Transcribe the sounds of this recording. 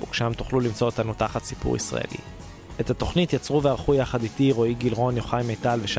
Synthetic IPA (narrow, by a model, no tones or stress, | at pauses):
ṵkʃamt̪u̥χlulimt͡so̞ot̪anut̪aχat̪si̥pṵʁḭsʁa̰ḛlḭ | ethat̪o̞χnitjat͡sʁuveaʁχujaχaditiʁo̞iɡilʁo̞njo̞χajmejtalveʃ